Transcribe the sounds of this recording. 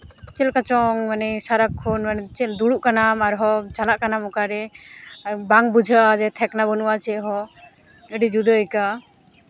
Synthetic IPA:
kɛlkat͡ʃɔŋmanɛsaɾakʰːunmanɛt͡ʃɛd̪uɽuʔkanamaɾɦɔt͡ʃalaʔkanamɔkaɾɛ | baŋbud͡ʒʱaad͡ʒɛt̪ʰɛknabɔnuwat͡ʃɛɦɔ | əɖid͡ʒud̪əjka

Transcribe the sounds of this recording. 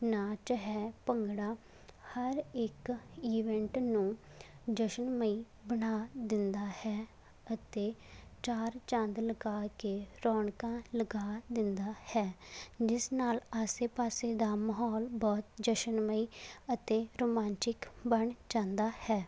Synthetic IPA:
naːt͡ʃəɦɛːpəŋɡɽaː | həɾɪkiːʋɛ̃ɳʈnũː | d͡ʒəʃənməiː | bənaːd̪ɪnd̪aːhɛː | ət̪eːt͡ʃaːɾt͡ʃə̃nd̪ləɡaːkeːɾɔːɳkãːləɡaːd̪ɪnd̪aːhɛːd͡ʒɪsnaːlaːseːpaːseːd̪aːməɦɔːlbɔːt̪d͡ʒəʃənməiːət̪eːɾoːmãːnt͡ʃɪkbəɳd͡ʒãːnd̪aːhɛː

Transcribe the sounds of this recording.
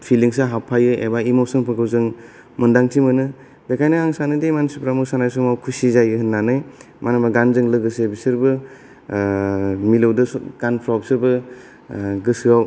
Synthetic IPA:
pʰiliŋsaɦapʰajɯḛbaimowsɯŋpʰɯkʰɯwzɯŋ | mɯndaŋtʰimɯnɯ | bekʰajnɯaŋsanɯdejmansupʰɾamɯsanajsumawkʰusizajɯhɯnːanɯj | manɯmaɡanzɯŋlɯɡɯsebisɯɾbɯ | milɯwdɯsɡ̥anpʰɾawpsɯbɯ | ɡɯsɯaw

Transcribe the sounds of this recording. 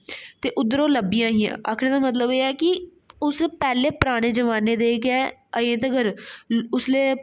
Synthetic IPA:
t̪eːʔʊd̪əɾoːləbijãːɦiːã̰ːʔə̰kʰɽ̃eːd̪aːmət̪̬ləbeːɛːkɪ | ʊspɛːleːpəɾaːɽ̃eːd͡ʒəʋaːneːd̪eːkɛːəẽːt̪̬əɡəɾʊsleː

